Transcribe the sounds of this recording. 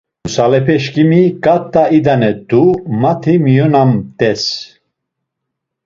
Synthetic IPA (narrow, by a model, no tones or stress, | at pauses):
usalɛpʰɛʃkimikʼat̪ʼːaid̪anɛd̪umat̪ʰimijɔnamt̪ɛs